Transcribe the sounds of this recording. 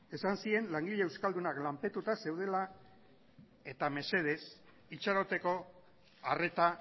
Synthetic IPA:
e̞sansie̞nlaŋɡiʎeːwskald̪unaklampe̞t̪ut̪ase̞wð̞e̞la | e̞t̪ame̞se̞ð̞e̞s | it͡ʃaɾo̞t̪e̞ko̞ | are̞t̪a

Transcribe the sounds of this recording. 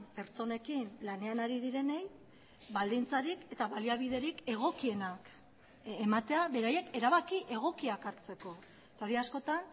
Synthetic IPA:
pe̞ɾt͡so̞ne̞kinlane̞anaɾiðiɾe̞ne̞j | bald̪int͡saɾike̞t̪aβaliaβ̞iðe̞ɾike̞ɣ̞o̞kie̞nak | emat̪e̞aβe̞ɾaje̞ke̞ɾaβ̞akiʔe̞ɣ̞o̞kiakaɾt͡se̞ko̞ | et̪ao̞ɾiasko̞t̪an

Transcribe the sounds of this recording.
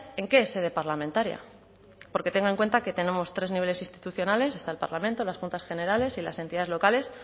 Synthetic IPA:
e̞ŋke̞ese̞ðe̞paɾlamẽnt̪aɾja̰ | po̞ɾke̞t̪e̞ŋɡaeŋkwe̞nt̪ake̞t̪e̞ne̞mo̞st̪ɾe̞zniβe̞le̞sinst̪i̥t̪uθjo̞nale̞se̞st̪aelpa̰ɾlamẽnt̪o̞lasxunt̪asxe̞ne̞ɾale̞sila̰se̞nt̪iðaðelo̞kale̞s

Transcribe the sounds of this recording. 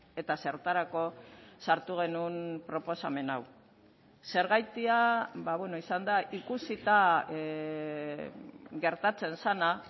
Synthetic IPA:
e̞t̪ase̞ɾt̪aɾako̞saɾt̪uɣ̞e̞nunpɾo̞po̞same̞naw | se̞ɾɣajt̪iabaβwe̞no̞isand̪aʔikusit̪a | ɣe̞ɾt̪at͡se̞nsana

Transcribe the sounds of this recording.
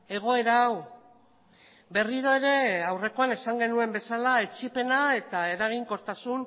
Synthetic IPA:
e̞ɣ̞o̞e̞ɾaːw | be̞riɾo̞e̞ɾe̞awre̞ko̞ane̞saŋɡe̞nue̞mbe̞salaet͡ʃipe̞nae̞t̪ae̞ɾaɣ̞iŋko̞ɾt̪asun

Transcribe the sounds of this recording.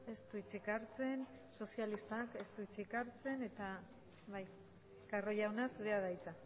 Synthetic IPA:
e̞st̪uit͡sikaɾt͡se̞n | so̞sialist̪ake̞st̪uit͡sikaɾt͡se̞ne̞t̪a | βaj | karo̞jawnasuðeaðajt͡sa

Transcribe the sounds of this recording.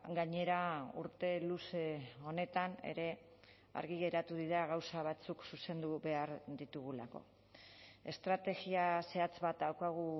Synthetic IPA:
ɡaɲe̞ɾauɾt̪e̞luse̞o̞ne̞t̪ane̞̰ɾe̞ | a̰ɾɣiɣe̞ɾat̪uðiðaɣawsaβ̞at͡suksuse̞nd̪uβe̞aɾd̪it̪uɣ̞ulako̞̰ | e̞st̪ɾat̪e̞ɣiase̞at͡sβat̪̚d̪awkaɣ̞u

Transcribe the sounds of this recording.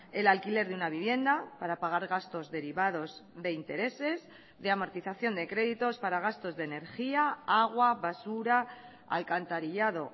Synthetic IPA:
e̞lalkile̞ɾðeunaβ̞iβ̞je̞nd̪apaɾapaɣ̞aɾɣast̪o̞zðe̞ɾiβað̞o̞zðe̞int̪e̞ɾe̞se̞z | ðe̞amo̞ɾt̪iθaθjo̞nd̪e̞kɾe̞ðit̪o̞spaɾaɣ̞ast̪o̞zðe̞ne̞ɾxiaaɣ̞waβasuɾa | a̰lkant̪aɾiʎað̞o̞̰

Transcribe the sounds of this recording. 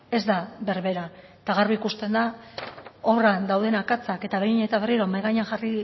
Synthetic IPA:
e̞zd̪aβe̞ɾβe̞ɾa | t̪aɣarβiikust̪e̞nd̪a | o̞rand̪awðe̞nakat͡sake̞t̪aβejɲe̞t̪aβe̞riɾomajɣajɲaŋxari

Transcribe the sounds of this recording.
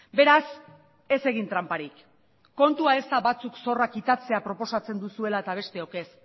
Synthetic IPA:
be̞ɾas | e̞se̞ɣ̞int̪ɾampaɾik | kːo̞nt̪uae̞st̪aβat͡sukso̞rakit̪at͡se̞apɾo̞po̞sat͡se̞nd̪usue̞laet̪aβ̞e̞st̪e̞oke̞s

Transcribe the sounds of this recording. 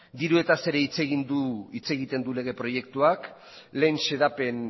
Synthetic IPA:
d̪iɾue̞t̪ase̞ɾeit͡se̞ɣ̞ind̪uit͡se̞ɣ̞it̪e̞nd̪ule̞ɣ̞e̞pɾo̞je̞k̚t̪uak | le̞nse̞ðape̞n

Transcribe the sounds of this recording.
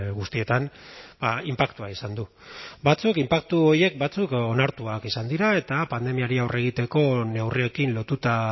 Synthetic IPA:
ɣust̪ie̞t̪anbaimpakt̪uaisand̪u | bat͡sukimpak̚t̪uo̞ɾje̞k̚bat͡suko̞naɾt̪uakisand̪iɾae̞t̪apand̪e̞miaɾiawre̞ɣ̞it̪e̞ko̞ne̞wrie̞kinlo̞t̪ut̪a

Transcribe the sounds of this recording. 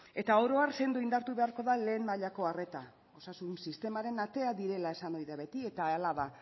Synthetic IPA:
e̞t̪aoɾo̞anse̞nd̪oind̪aɾt̪uβe̞aɾko̞ðale̞ːmmaʎako̞are̞t̪a | o̞sasunsist̪e̞maɾe̞nat̪e̞aðiɾe̞lae̞sano̞jðaβe̞t̪ie̞t̪aːlaða

